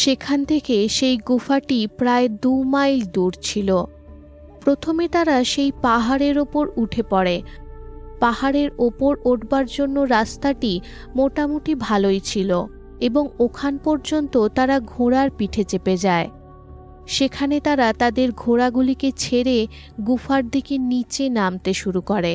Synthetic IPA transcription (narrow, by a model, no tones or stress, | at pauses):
ʃekʰant̪ʰekeʃejɡufaʈipɾaed̪umajld̪uɾt͡ɕʰilo | pɾot̪ʰomet̪aɾaʃejpaɦaɾeɾopoɾuʈʰepɔɽe | pahaɾeɾopoɾoʈbaɾd͡ʑonːoɾast̪aʈi | moʈamoʈibʱalojt͡ɕʰilo | eboŋokʰanpɔɾd͡ʑont̪ot̪aɾaɡʱoɽaɾpiʈʰet͡ɕeped͡ʑae | ʃekʰanet̪aɾat̪ad̪eɾɡʱoɾaɡuliket͡ɕʰeɾe | ɡufaɾd̪ikenit͡ɕenamt̪eʃuɾukoɾe